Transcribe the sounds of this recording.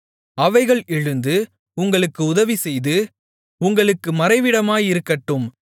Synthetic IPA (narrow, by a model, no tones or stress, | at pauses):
ɐʋɐɪɣɐɭɛɻɯnd̪ɯ | ʊŋɡɐɭɯkːɯʊðɐʋisɛjðɯ | ʊŋɡɐɭɯkːɯmɐɾɐɪʋɪɽɐmaːjɪɾɯkːɐʈːɯm